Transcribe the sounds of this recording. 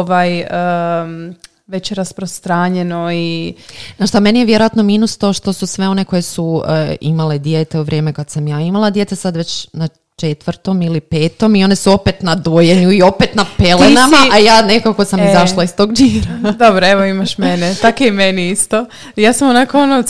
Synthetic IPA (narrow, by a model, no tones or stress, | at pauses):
ʋajə | ʋet͡ɕɾaspɾost̪ɾaːɲenoinaʃt̪ame̞nijeʋjeɾojat̪no̞minust̪o̞ʃt̪o̞susʋe̞o̞ne̞ko̞jesuḭmaled̪jeːt̪e̞uʋɾʲʔje̞ːme̞kad̪samjaːimalˠad̪je̞t̪esad̪ʋe̞t͡ɕna | t͡ʃet̪ʋɾt̪o̞milipe̞ːt̪o̞mio̞ne̞suo̞pet̪nad̪ojeɲuio̞pet̪napelenamaʔajaːne̞kako̞samizaʃlˠaist̪o̞ɡd͡ʒiːɾad̪obɾoeʋoimaʃmenetakeimeniist̪o | jaːsamonakoono